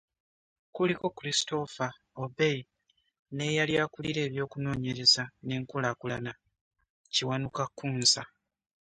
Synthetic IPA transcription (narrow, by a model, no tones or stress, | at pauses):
kuliko̞kuɾisto̞fa | obe̞j | ne̞jaljaːkuliɾe̞ːβjo̞ːkuno̞ːɲe̞ɾe̞zane̞ːŋkulakulana | ciwanukakːuːnsa